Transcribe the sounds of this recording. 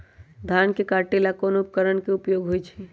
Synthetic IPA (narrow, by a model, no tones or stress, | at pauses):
d̪ʱankekaɾʈelakonoupkəɾənkeupjoɡɦojt͡ʃʰɛ